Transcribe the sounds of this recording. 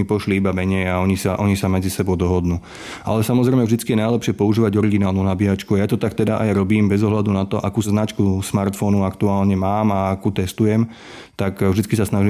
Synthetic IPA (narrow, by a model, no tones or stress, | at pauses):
ipɔʃliibamɛɲɛjaɔɲisaʔɔɲisamɛd͡zisɛbɔʊd̪ɔɦɔd̪nuː | a̰lɛsamɔzɾɛɪmɛvʒd̪it͡skijɛnajlɛpʃɪɛpɔuʒiːʋaɟɔɾiɡinaːlˠnunabiɦat͡ʃkuajat̪ɔt̪ak̚t̪ɛd̪aʔajɾɔbiːmbɛzɔɦlad̪unat̪ɔʔakuːznat͡ʃkusmaɾt̪fɔnuakt̪uaːlɲɛmaːmaakuːt̪ɛst̪ujɛm | t̪akvʒd̪it͡skisasnaʒiː